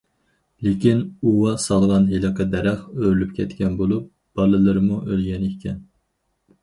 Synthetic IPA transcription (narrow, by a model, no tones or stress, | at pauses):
lekʲinuwɑsɑlˠʁɑnɦelˠɨqʰəd̪ɛɾæχøɾylyp̚kʲʰɛt̪kʲɛnbolˠup̚ | b̥ɑlˠɨlˠɨɾmuʔølɡʲɛnikʲʰɛn